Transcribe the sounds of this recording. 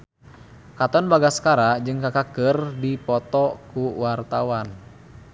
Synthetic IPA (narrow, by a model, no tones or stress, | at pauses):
kat̪ɔnbaɡaskaɾad͡ʒɨŋkakakərdipɔt̪ɔkuwart̪awan